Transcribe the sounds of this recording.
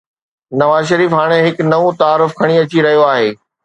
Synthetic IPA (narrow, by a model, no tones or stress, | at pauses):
nɐʋaːzʃɐɾiːfɦaːɽ̃eɦɪknɐʋõt̪aːɾʊfkʰɐɽ̃iɐt͡ɕiɾɐɦijoaːɦeː